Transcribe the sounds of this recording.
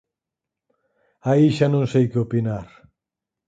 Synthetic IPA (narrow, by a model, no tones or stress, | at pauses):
aiʃanõŋsejkɪopinaɾ